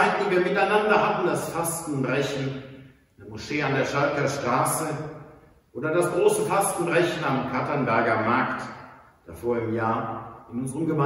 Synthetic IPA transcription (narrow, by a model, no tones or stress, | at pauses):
aɪtn̩diviːɐmɪtaɪnandɐhatn̩dasfastn̩bʁɛçn̩ | dmoʃeːandeːɐʃalkɐʃtʁ̥aːsə | ʔoːdɐdasɡ̥ʁoːsəfastn̩bʁɛçn̩amkʰatɐnbɛɐɡɐmaɐkt | d̥afoːɐɪmjaːɐɪnʊnzəʁəmɡəma